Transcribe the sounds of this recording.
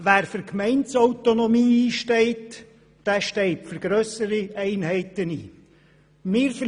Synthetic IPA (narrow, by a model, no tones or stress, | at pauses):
væːɾfəɾkmɛɪnt͡sɔʊt̪onɔmiːiːʃtɛɪt | d̥æːʃtɛɪtfyɾɡ̥ɾœsəɾiɛɪnɦɛɪt̪ənḭː | mɪːɾfə